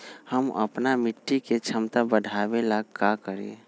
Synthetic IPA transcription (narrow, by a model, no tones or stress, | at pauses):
həmə̰pnamɪʈːiket͡ʃʰəmt̪abəd̪ʱabelaɡ̚kakəɾḛ